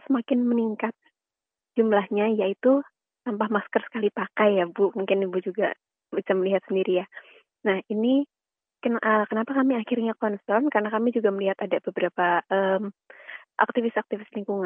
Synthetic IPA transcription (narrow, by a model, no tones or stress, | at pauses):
səmakɪnməniŋkat̪̚ | d͡ʒumlahɲajait̪u | t̪ampahmaskərsə̥kalipakajːabumuŋkɪnibud͡ʒuɡa̰ | bit͡ʃamːəliɦat̪səndiɾija | nahini | kənʔəkənapakamiaxɪrɲakɔnsɔnkarənakamid͡ʒuɡaməliɦat̪adabəbəɾapaʔəːmʔa̰k̚t̪ifɪsak̚t̪ifɪsliŋkuŋan